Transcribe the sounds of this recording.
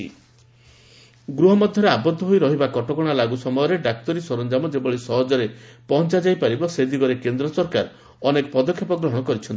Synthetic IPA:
ḭ | ɡɾuɦɔmɔd̪ʱjɔɾeabɔd̪ʱːɔɦojɾɔɦibakɔʈɔkɔɽ̃alaɡusɔmɔjɔɾeɖak̚t̪ɔɾisɔɾɔnd͡ʒamɔd͡ʒebɔɭisɔɦɔd͡ʒɔɾepɔɦɔnt͡ʃad͡ʒajpaɾibɔsed̪iɡɔɾekend̪ɾɔsɔɾkaɾ | ɔnekɔpɔd̪ɔkʰːjapɔɡɾɔɦɔɽ̃ɔkɔɾit͡ʃʰɔni

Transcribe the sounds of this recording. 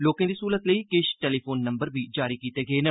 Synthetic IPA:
loːkãːd̪iːsuːɾət̪ləiːkɪʃʈɛːliːpʰoːnːə̃mbəɾʋiːd͡ʒaːɾiːkiːt̪eːɡeeːnə

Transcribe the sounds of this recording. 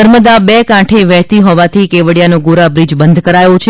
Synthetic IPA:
əɾməd̪abekãʈʰeʋɛɦt̪iɦɔʋat̪ʰikeʋəɽjanoɡoɾabɾid͡ʒbənd̪ʱkəɾajõt͡ʃʰ

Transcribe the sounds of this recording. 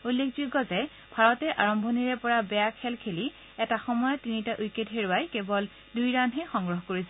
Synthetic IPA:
ulːekʰzuɡɔzɛ | b̥ʱaɹɔtɛʔaɹɔmbʱɔniɹɛpɔɹabɛjakʰɛlkʰeli | ɛtaxɔmɔjɔtːinitaʔujketɦeɹʊajkebɔl | dujɹanɦɛxɔŋɡɹɔɦɔkoɹisɛ

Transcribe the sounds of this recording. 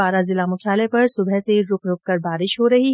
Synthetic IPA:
aːɾazɪlaːmʊkʰjaːlepɐɾsʊbʱɛseɾʊkʰɾʊkkɐɾbaːɾɪʃɦoɾɐɦi

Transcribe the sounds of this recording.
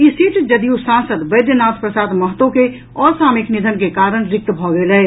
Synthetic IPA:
isiːʈd͡ʒɐd̪ijusãːnsəd̪bɐd̪jənaːspɾəsaːd̪məɦət̪õke | ɔːɾsaːmɪknɪd̪ʱənkekaːɾəɽ̃ɾɪk̚t̪bʱɔɡelɛe

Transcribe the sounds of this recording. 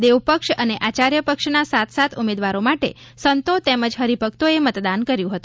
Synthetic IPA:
d̪eʋpəkʃəneʔat͡ʃaɾjəpəkʂnasat̪ʰsat̪ʰumed̪ʋaɾomaʈḛ | sənt̪ot̪eməd͡ʒɦəɾipək̚t̪oemət̪d̪ankəɾjũɦət̪ũ

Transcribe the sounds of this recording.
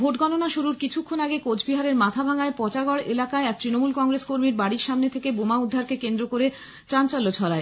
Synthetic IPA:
bʱoʈɡɔnonaʃuɾuɾkit͡ɕʰukʰːonaɡekod͡ʑʰbiɦaɾeɾmat̪ʰabʱaŋaepɔt͡ɕaɡɔɽelakaeɛk̚t̪ɾinomulkɔŋɡɾeskoɾmiɾbaɽiɾʃamnet̪ʰekebomaud̪ʱːaɾkekend̪ɾokoɾe | t͡ɕant͡ɕalːot͡ɕʰɔlae

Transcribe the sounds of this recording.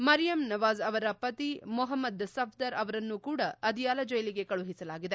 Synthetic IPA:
mɐɾijɐmnɐʋaːzɐʋɐɾɐpɐt̪imɔɦɐmːɐd̪sɐpʰd̪ɐɾɐʋɐɾɐnːukuːɽɐɐd̪ijaːlɐd͡ʒɔjɐliɡekɐɭuɦisɐlaːɡid̪e̞

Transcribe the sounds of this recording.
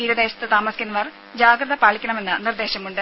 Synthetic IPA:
iːɾɐd̪eːɕɐ̥t̪ːɨt̪aːmɐsikɐnːɐʋɐr | d͡ʑaːɡrɐðɐpaːɭikʲːɐɳɐme̞nːɨnird̪e̞ːɕɐmuɳɖɨ

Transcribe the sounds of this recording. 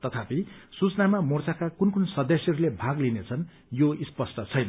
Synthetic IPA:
t̪ʌt̪ʰapisut͡snamamort͡sakakunkunsʌd̪esjʌɾulebʱaɡlinet͡sʰʌn | joispʌsʈʌt͡sʰʌjnʌ

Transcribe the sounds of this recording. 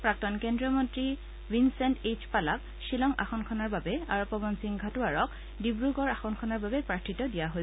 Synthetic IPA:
pɹak̚tɔnkɛndɹiɔmɔntɹi | winsɛnted͡ʒpalak | ʃilɔŋa̰xɔnkʰɔnaɹbabɛaɹɔpːɔbɔnsiŋɡʱatuaɹɔk | dibɹuɡɔɹaxɔnkʰɔnaɹbabɛpɹatʰːitɔdijaɦo

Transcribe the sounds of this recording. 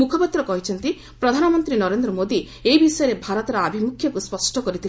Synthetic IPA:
mukʰɔpat̪ɾɔkɔɦit͡ʃʰɔnt̪i | pɾɔd̪ʱanɔmɔnt̪ɾinɔɾend̪ɾɔmod̪i | ejbisɔjɔɾebʱaɾɔt̪ɔɾɔabʱimukʰjɔkuspɔsʈɔkɔɾit̪ʰil

